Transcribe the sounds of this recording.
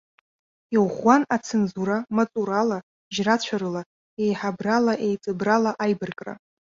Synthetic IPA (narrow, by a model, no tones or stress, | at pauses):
iʁʷanat͡sʰenzuɾamat͡sʼuɾala | ʒrat͡ɕʷʰaɾɨla | ejħabralaʔejt͡sʼɨbralaʔajbɨrkʼra̰